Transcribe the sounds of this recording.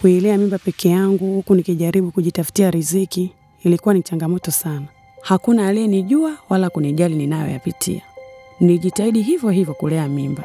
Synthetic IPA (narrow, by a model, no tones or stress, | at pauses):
kuilɛamimbapɛkʰɛjaŋɡuhukunikiʄaɾiɓukuʄitafu̥tiaɾiziki | ilikuwanit͡ʃaŋɡamɔtɔsana | hakunalɛɛniʄuawalakuniʄalininajɔ̰ja̰pitʰḭaniʄitaiɗiɦivjɔɦivjɔkulɛamimba